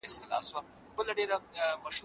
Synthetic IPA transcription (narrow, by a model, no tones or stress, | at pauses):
ɪst̪ɪla̰ːswa | bəlaɖeɾamɐʃu